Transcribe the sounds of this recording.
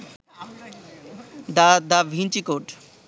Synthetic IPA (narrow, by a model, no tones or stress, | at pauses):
d̪ad̪aʋʱĩnt͡ʃikoːʈ